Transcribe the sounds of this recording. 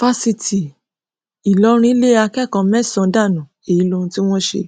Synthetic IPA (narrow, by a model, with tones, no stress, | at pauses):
fa˧si˧ti˨ | i˨lɔ˨˦ɾ̃ĩ˦le˦a˧kɛ˦˨kã˧mɛ˦˨sɔ̃˨˧da˦˨nũ˨ | e˨ji˨˦lo˦˧ũ˧ti˦w̃ɔ̃˦ʃḛ˧